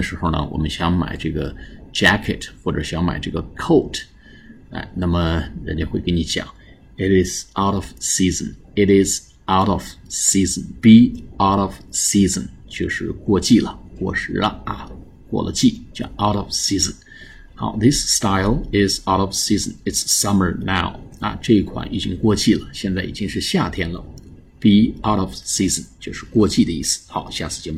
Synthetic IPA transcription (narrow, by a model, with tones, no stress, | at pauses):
ə˧˩ʂɻ̩˧˥xo˧ʊnə̰˩wɔ̰˨˩mə˦nɕjɑ˥ŋma̰˨˩ɪʈ͡ʂɤ˥˩ɡə˩ʈ͡ʂæ˥kʰə˨˩txwɔ˥˩ʈ͡ʂɤ̰˨˩ɕjɑ˥ŋma̰˨˩ɪʈ͡ʂɤ˥˩ɡə˩kʰo˥˩ʊtʰ | a̰˧˩ɪna˥˩mə˩ɻə̰˧˥nt͡ɕo˧xwe˥˩ɪke˧˥ni˧˥t͡ɕjɑ̰˨˦ŋ | ɪ˧ɾɪ˧z̥a˧ʊɾɔ˨˩v̥si˥zə̃˨˩n | ɪ˧ɾɪ˧z | a˧˩ʊɾɔ˨vsi˥zə˨npi˧˩a˧ʊɾɔ˨˩v̥si˥zə̰˨nt͡ɕjo˥˧ʂɻ̩˥˩˧kwɔ˥˧t͡ɕi˥˩lə̰˩kwɔ˥˩ʂɻ̩˧˥lə˧ɐ̰˩ | kwɔ̰˥˩lə̰˦t͡ɕi˥˩t͡ɕja˧ʊɾɔ˨vsi˥zə˨n | xa̰˧˥ʊðɪ˥sːt̪a˥ɪlˠɪ˨za˧ʊɾɔ˨vsi˥zə̃˨nɪtssʌ˥mə˞˨na˥˩ʊa̰˧ʈ͡ʂɤ˥˧i˥˩kʰwa̰˨˩nʔḭ˨˩t͡ɕi˥ŋkwɔ˥˧t͡ɕi˥˩lə˩ɕjɛ˥˧nt͡sa˥˩ɪḭ˨˩t͡ɕi˥ŋʂɻ̩˥˧ɕja˥˩t̪ʰjɛ˥nlə̰˨ | pi˧˥a˧ʊɾɔ˨v̥si˥zə˨nt͡ɕjo˥˧ʊʂɻ̩˥˧kwɔ˥˧t͡ɕi˥˩d̪ə˩˦i˥˩sɹ̩̥˩˦xa˧˥ʊɕja˥˩sʰɹ̩˥˩t͡ɕjɛ˥m